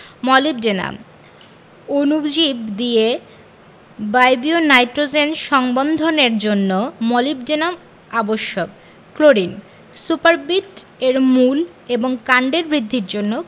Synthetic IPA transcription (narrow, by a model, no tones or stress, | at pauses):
mɔlib̚d͡ʑena̰m | onubd͡ʑibd̪ie | bajbionajʈɾod͡ʑenʃɔŋbond̪ʱoneɾd͡ʑonːomɔlib̚d͡ʑenam | aboʃːok̚ | kloɾin | supaɾbiʈeɾmul | eboŋkaɳɖeɾbɾid̪ʱːiɾd͡ʑonːo